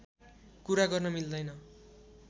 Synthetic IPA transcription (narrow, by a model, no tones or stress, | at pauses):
kuɾaɡʌrnʌmild̪ʌjnʌ